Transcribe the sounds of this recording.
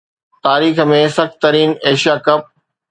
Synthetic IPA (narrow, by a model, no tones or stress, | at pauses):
t̪aːɾiːxmẽsɐxt̪ɐɾiːneːʃijaːkɐp̚